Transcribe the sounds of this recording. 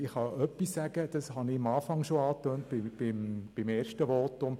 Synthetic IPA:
ɪχhɑœpːisːæɡ̥əd̥ɑshɑnɪɑmɑːfɑŋʃoɑːtøːntbɪb̥ɪmb̥ɪmeːrʃtəʋoːtʊm

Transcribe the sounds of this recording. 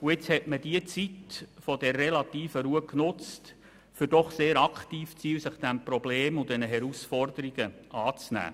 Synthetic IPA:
ʊɪt͡shɛtməd̥iət͡sitfɔdɛrːelɑt̪iːfəɾuəknʊt͡st | fʏɾdɔχseːɾɑkχtiːft͡siːlsɪχd̥̪æmprɔbleːmʊd̪ɛnəɦɛɾusfɔrdəɾiɡəʔɑːt͡snæ̰ː

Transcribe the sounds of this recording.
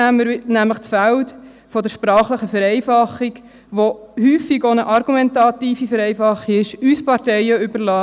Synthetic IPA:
mənæmləχt͡sfælt | fɔd̪əɾʃpɾɑːχləχəfəɾɛɪfɑχiɡ | ʋohyːfiɡonəʔɑɾɡumɛntɑt̪iːfifɛɾɛɪfɑχːiɪʃyspɑɾtɛjəʏbəɾlɑː

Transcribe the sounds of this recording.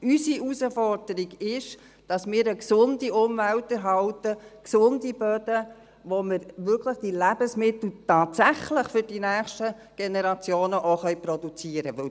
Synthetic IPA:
ysiusəfɔrd̥əɾiɡɪʃ | d̥ɑsmɪːɾəksʊndiʔʊmvæltɛɾɦɑltəksʊndib̥œd̥ə | ʋoməɾʋʏkʰləχd̥ilæb̥əsmɪt̪l̩tɑːtsæχləχfʏɾd̥inæːχʃtə | ɡ̥enɛɾɑt͡sjoːnəʔoχœjpɾɔdut͡siːəɾəʋɵ

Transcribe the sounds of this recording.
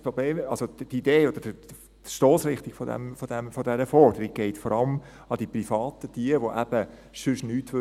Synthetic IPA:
pɾobleːmɑlsodideːod̪əd̥ə | ʃtoːsɾɪχt̪ikfodɛ̰mfod̥ɛmfodɛɾəfɔɾd̥əɾiɡ̚ɡ̥ɛɪtfɔɾɑlm | ɑd̥iprifɑːt̪ətiəʋoʔæb̥əsʏʃnyːtʋø

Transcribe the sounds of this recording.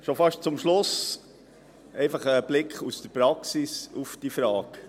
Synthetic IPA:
ʃofɑʃt̚t͡sʊmʃlʊs | ʔɛɪfɑχəb̥lɪkʰχust̪əpɾɑksisufd̥ifɾɑːk

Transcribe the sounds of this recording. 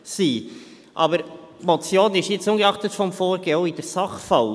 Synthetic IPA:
siː | ʔɑbəɾ | mɔt͡sjoːnɪʃjɪt͡sʊnɡəɑχt̪ətfɔmfoːɾɡeːoid̥ɛɾsɑχfɑl

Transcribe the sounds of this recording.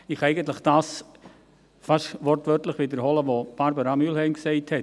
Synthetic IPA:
ɪχɛɪɡənt̬lɪχd̥aːs | fɑʃʋɔrtʋœɾtlɪχʋɪd̪əɾhɔləʋob̥aɾbəɾɑmylhɛɪmksɛɪthɛt

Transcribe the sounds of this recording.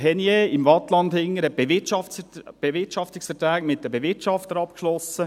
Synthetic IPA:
ɦɛnjeɪmvɑt̪lɑndhɪŋːəɾɛ̥eɪtɑfb̥evɪtʃɑft̪ɪksfəɾtɾɛːɡmɪt̚dəbeʋɪtt͡ʃɑft̪əɾɑpkʃlɔsə

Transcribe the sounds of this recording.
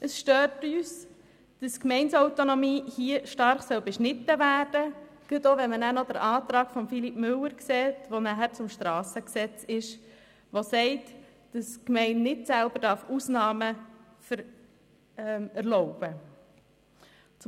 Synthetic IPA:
ʔəsʃtøːtyːs | d̥əskmɛɪnsaʊt̪onɔmiːhiəʃtɑɾχsœlbɛʃnɪtːəʋæːɾd̥ə | ɡ̥ətoʋɛnmənæːnɔd̥əɾʔɑːt̪ɾɑːɡfɔmfilipmʏlːəɾksɛːtʋonæɦæɾt͡sʊmʃtɾɑːsəksɛt͡sɪʃ | ʋosɛɪt | d̥əskmɛɪnːɪtsælbəɾd̥ɑɾfusnɑːmə | fəɾ | æɾlɔʊb̥ə | t͡s

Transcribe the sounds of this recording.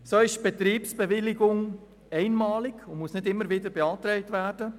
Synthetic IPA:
soːɪʃb̥et̪ɾiːpsb̥eʋɪliɡʊŋ | ɛɪnmɑːlɪkʊnmusnɪdɪmːəɾʋɪdəɾbeɑːt̪ɾɛɪtværd̥ə

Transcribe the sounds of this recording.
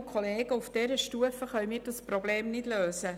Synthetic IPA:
kʰoleːɡəufd̥ɛɾəʃtuəfəχœɥmiːɾdɑspɾɔbleːmnɪd̥løːsə

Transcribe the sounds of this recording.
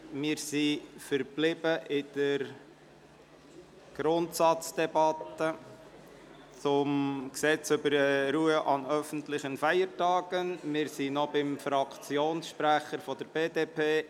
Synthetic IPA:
mɪːɾsifəɾb̥lɪbəʔɪd̪̥əɾ | ɡ̥ɾʊntsɑt͡sd̥̪ɛbɑt̪ə | t͡sʊmksɛt͡sʏbəɾəɾuːəʔɑnœfən̩tlɪχənfæjəɾtɑːɡ̥ənmɪːɾsinɔbɪmfɾɑkʰt͡sjoːnsʃpɾæχəɾfɔd̥̪əɾbeːdeːpʰeː

